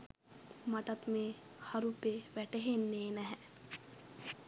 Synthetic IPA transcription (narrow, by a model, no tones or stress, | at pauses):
maʈɐt̪meː | haɾupeʋɛʈeɦenːeːnɛɦɛ